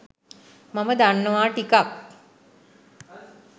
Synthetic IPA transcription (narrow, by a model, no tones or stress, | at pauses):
maməd̪aɳːəʋaːʈikak̚